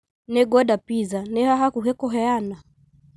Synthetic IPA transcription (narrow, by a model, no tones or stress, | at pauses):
nɛɡɔɗapizanɛhaɦakuɦɛkɔɦɛana